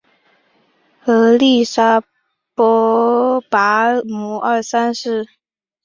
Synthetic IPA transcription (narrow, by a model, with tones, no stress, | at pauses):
ɤ˧˥li˥˩sa˥ | pɔ˥pa˧˥mu˧˥ʔə˞˥˩sa˥nʂɻ̩˥˩